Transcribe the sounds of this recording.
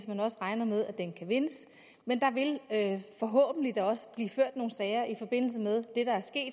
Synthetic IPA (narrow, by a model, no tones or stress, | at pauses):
smænɒ̽səʁɑ̈ɪnɐmeð̞ˠæd̥enkʰæʋe̝nəs | mend̥ɑ̈ʋe̝løfɒ̽ɦɔ̰̽ːb̥n̩lid̥ɑɒ̽sə̥b̥liːføɐ̰d̥no̝ːn̩sɛɪɐʔifɒ̽b̥e̝n̰l̩s̬əmeðˠd̥e̝ɾ̥ɑ̈æɐsɡ̥e̝̰ːd̥